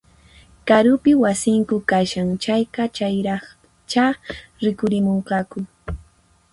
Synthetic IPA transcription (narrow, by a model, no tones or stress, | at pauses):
kaɾʊpɪwasɪŋkʊkaʃaŋt͡ʃajqɑt͡ʃajɾɑ | t͡ʃaɾɪkʊɾɪmoɴqɑkʊ